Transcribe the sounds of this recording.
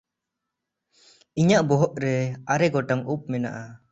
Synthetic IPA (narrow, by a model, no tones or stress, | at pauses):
iɲaʔbɔɦɔʔɾɛaɾɛɡɔʈaŋup̚mɛna̰ʔa